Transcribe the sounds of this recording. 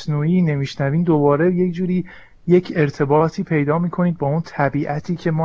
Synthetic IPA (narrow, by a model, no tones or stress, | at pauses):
snuːiːne̞miːʃnæviːnd̪obɒːɾe̞je̞cʰd͡ʒuːɾiː | jecʰe̞ɾt̪ʰe̞bɒːt̪ʰiːpʰe̞jd̪ɒːmiːkʰo̞niːd̪̚bɒːunt̪ʰæbiːʔæt̪ʰiːcʰe̞mɒː